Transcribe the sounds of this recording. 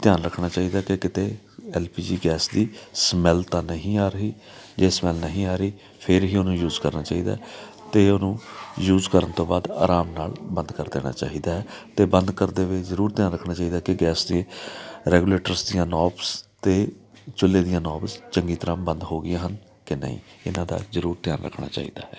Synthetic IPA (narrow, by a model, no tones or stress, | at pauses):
t̪ɪjaːnɾəkʰnaːt͡ʃaːɦiːd̪aːkɪkɪt̪eː | ɛːlpiːd͡ʒiːɡɛːsd̪iːsmɛːlt̪ãːnəɦĩːaːɾəɦiː | d͡ʒeːsmɛːlnəɦĩːaːɾəiː | pʰɪɾɦiːʊnũːjuːzkəɾnaːt͡ʃaːiːd̪a̰ː | t̪eːʊnũːjuːzkəɾənt̪õːbaːd̪a̰ːɾaːmnaːlbə̃nd̪kəɾd̪ḛːna̰ːt͡ʃa̰ːɦiːd̪aːɦɛːt̪eːbənd̪kəɾd̪eːʋeːzəɾuːɾt̪jaːnɾəkʰnaːt͡ʃaːiːd̪aːkɪɡɛːsd̪iẽːɾɛːɡuːleːʈəɾsd̪ijãːnɔːpst̪eː | t͡ʃʊlːeːd̪ɪjãːnɔːpst͡ʃəŋɡiːt̪əɾãːmbənd̪ɦoːɡɪjãːɦən | kɪnə̰ɦḭ̃ːɪnãːd̪a̰ːzəɾuːɾt̪ɪjaːnɾə̰kʰna̰ːt͡ʃa̰ːḭːd̪a̰ːɦɛː